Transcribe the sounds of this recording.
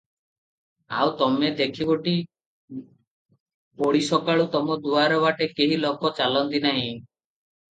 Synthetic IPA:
a̰wt̪ɔmed̪ekʰiboʈi | poɽisɔkaɭut̪ɔmɔd̪uaɾɔbaʈekeɦilokɔt͡ʃalɔnt̪inaɦĩ

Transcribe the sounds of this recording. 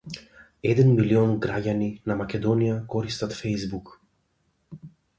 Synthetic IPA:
ɛd̪ɛnmiliɔnɡɾaɟaninamakʲɛd̪ɔnijakɔɾist̪at̪fɛjzbuk

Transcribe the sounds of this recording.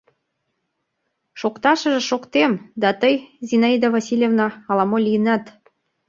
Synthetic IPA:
ʃokt̪ɑʃə̆ʒĕʃokt̪emd̪ɑt̪əjzʲinɑid̪avɑsʲilʲjevnɑːlɑmolʲijənæt̪

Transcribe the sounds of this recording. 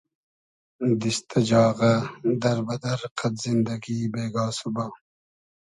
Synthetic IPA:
d̪ist̪ɐd͡ʒɑːɣɐd̪ɐɾbɐd̪ɐɾqɐt̪zind̪ɐɡibeːɡɑːsubɐ

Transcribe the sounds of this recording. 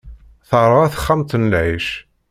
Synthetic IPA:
θəɾˤaθə̥χːamt̪ənlʕiʃ

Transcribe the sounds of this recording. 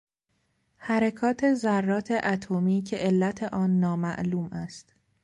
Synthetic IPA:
hæɾekʰɒːt̪ʰe̞zærːɒːt̪ʰe̞ʔæt̪ʰomiːcʰe̞ʔelːæt̪ʰe̞ʔɒːnːɒːmæ̰ʔluːmʔæst̪

